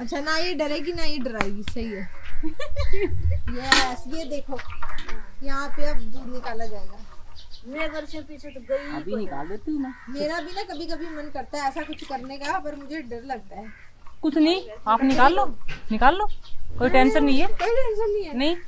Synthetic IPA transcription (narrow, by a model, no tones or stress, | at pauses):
ɐtːʃʰanajeɖɐɾeɡinajeɖəɾaːeɡisɐɦiɦɛː | jɛsed̪eːkʰoː | jɐɦãpeɐbnɪkaːlad͡ʒaːeɡaːmeːd̪əɾʃənpiːt͡ʃʰet̪koibʱinɪkaːld̪et̪inameːɾabʱinakɐbʱikɐbʱimɐnkɐɾt̪aɛːsakʊt͡ʃʰkɐɾnekapɐɾmʊd͡ʒʱeɖɐɾlɐɡ̚t̪aɦɛː | kʊt͡ʃʰnɐĩaːpnɪkkaːlːoːnɪkaːlːoːkoːiʈɛ̃ːnsəɾnɐɦĩɦɛːkoːiʈɛ̃ːnsəɾnɐĩɛnɐɦĩ